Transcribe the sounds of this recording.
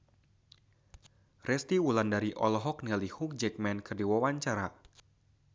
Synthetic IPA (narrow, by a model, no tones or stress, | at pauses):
rʔɛst̪iwulandaɾiʔɔlɔɦɔk̚nilihuk̚d͡ʒɛk̚mɛnkɨrdiwawaɲt͡ʃaɾa